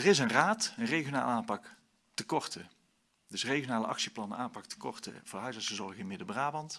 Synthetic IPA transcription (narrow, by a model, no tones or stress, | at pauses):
ərɪsənraːtənrejɣjona̰ːləaːnpɑk | təkɔrtə | dɵsreɣjonaːlə̰ʔɑ̰ksiplɑnə̰aːmpɑktə̥kɔ̰rtə̰v̥ʊːɦœɥzəsəzɔɹɣəɪnmɪdəbraːbɑnt